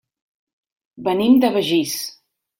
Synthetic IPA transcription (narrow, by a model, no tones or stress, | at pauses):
bənimd̪əβəʒis